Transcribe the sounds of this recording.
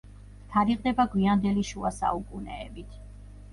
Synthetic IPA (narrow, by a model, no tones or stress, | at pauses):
t̪ʰaɾiqʼd̪ɛbaɡwiand̪ɛliʃuasa̰ukʼunɛːbit̪ʰ